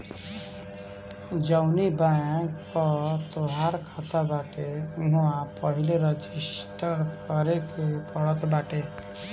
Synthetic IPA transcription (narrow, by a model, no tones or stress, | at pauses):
d͡ʒəʊnibakkɔt̪oɦaɾkʰat̪abaʈemʊãpəɦileɾəd͡ʒisʈəɾkəɾekepɔɽət̪baʈe